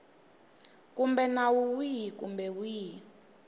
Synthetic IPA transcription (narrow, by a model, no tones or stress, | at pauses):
kumbɛnawuwikumbɛwiː